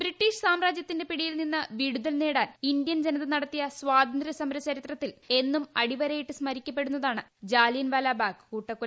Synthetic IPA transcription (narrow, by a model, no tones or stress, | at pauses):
b̥ɾiʈːiːʂsaːmɾaːd͡ʑjɐt̪ːinde̞piɽijilninːɐʋiːɽuðɐlne̞ːɽaːnind̪ijɐnd͡ʑenɐðɐnɐɽɐt̪ːijɐsʋaːd̪ʱɐnd̪ɾɐsɐmɾɐt͡ɕɐɾit̪rɐt̪ːile̞nːumɐɽiʋɐɾɐjiʈːɨsmɐɾikʲːɐpːe̞ɽunːɐðaːɳɨd͡ʑaːlijɐnʋɐːlaːbaːkkuːʈːɐkːu